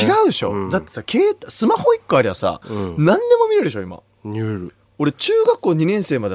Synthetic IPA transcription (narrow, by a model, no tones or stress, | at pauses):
iɡaɯ̟d̪e̞ɕo̞̰d̪at̪ːe̞̥sakʰe̞ːt̪asɨmaho̞ikːoaɾʲiβasa̰nãnd̪e̞mo̞mʲiɾeɯɾd̪eɕo̞ima̰ | ɾ | o̞ɾe̞t͡ɕɨːɡakːo̞ːɲ̟inẽ̞ɰ̃se̞ːmad̪e